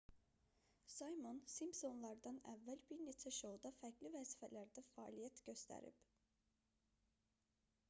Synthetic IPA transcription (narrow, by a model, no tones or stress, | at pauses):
sɑjmonsimbso̞nlˠɑɾd̪ɑnæ̰vːælbiɾne̞t͡ʃʰæʃoud̪ɑfæɾɟlivæzifælæɾd̪æfɑːlijæt̪ɟø̞st̪æ̰ɾḭb